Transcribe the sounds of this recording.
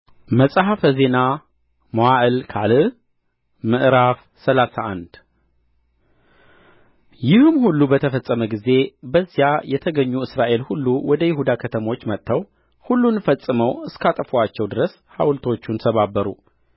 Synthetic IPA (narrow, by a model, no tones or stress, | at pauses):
məsʼɦafəze̞na | moaʔɨlkʰalɨ | mɨʔɾaf | səlasaʔand̪ | jɪhɨmhulːubət̪ʰəfəsʼəməɡize̞bəzːjajɛt̪ʰəɡəɲːuɨsɾaʔe̞lhulːuwɔd̪əjɪhud̪akʰət̪ʰəmo̞t͡ʃːmət̪ʰːəw | hulːunfəsʼɨməwɨskat̪ʼəfat͡ʃːɛwd̪ɨɾəs | ha̰wlt̪ʰo̞t͡ʃːunt̪ʰəβabːəɾṵ